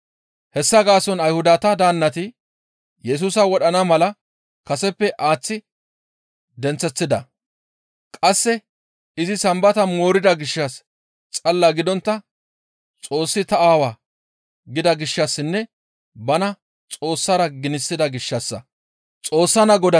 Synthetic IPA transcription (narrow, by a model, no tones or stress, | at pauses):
hɛsːɐɡaːsɔnɐjhʊd̪at̪ɐd̪aːnːɐt̪ɪ | jɛs̬uːsɐwɔɗɐnɐmɐlɐ | kɐsɛpːɛʔaːt͡sːɪ | d̪ɛnt͡sːɛt͡sːɪd̪ɐ | kʼɐsːɛ | ɪzɪsɐmbɐt̪ɐmo̞ːɾɪd̪ɐɡɪʃːɐs | t͡sʼɐlːaɡɪd̪ɔnt̪ːɐ | t͡sʼo̞ːsːɪt̪ɐaːwaː | ɡɪd̪ɐɡɪʃːɐsːɪnːɛ | bɐnɐ | t͡sʼo̞ːsːɐɾɐɡɪnɪsːɪd̪ɐɡɪʃːɐsːɐ̰ | t͡sʼo̞ːsːɐnɐɡɔd̪ɐ